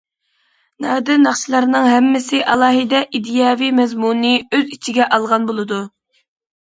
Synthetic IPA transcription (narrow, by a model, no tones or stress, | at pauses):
nɑːd̪ɪnɑχʃilˠɑɾnɨŋɦɛmːɪsɪʔɑlˠɑːɦɨd̪ɛʔid̪ijɑːvimɛzmunɨøzit͡ʃʰiɡʲɛʔɑlˠʁɑnbolˠɨd̪u